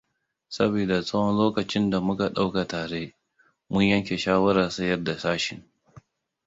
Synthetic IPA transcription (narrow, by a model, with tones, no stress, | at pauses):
sɐ˦beː˨da˨sʼɐ˦wɔ˦nloː˦kɐ˨t͡ʃɪ˦nda˨mʊ˦ka˨ɗa˦wka˨taː˨ɽeː˦ | mʊ˦ɲjɐ˦ŋkʲe˨ʃaː˦wɐ˦ɾaː˨sɐ˦jɐ˦rda˨saː˦ʃɪ˨ŋ